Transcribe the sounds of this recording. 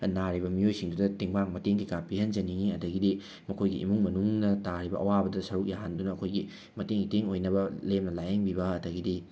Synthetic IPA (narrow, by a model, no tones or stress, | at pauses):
naɾibɐmiojsiŋdudɐtiŋbaŋmɐteŋkikapiɦɐnd͡ʒɐniŋiɐdɐɡidi | mɐkʰojɡiʔḭmuŋmɐnuŋnɐtaɾibɐ̰ʔɐ̰wabɐdɐsɐɾuk̚jaɦandunɐːɐkʰojɡi | mɐteŋitiŋojnɐbɐlemnɐlajeŋbibɐɐdɐɡidi